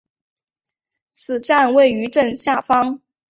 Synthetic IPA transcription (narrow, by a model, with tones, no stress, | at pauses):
t͡sʰɹ̩˨˩ʈ͡ʂa˥˧nwe˥˩ɪy˧˥ʈ͡ʂə˥˧nɕja˥˩fɑ˥ŋ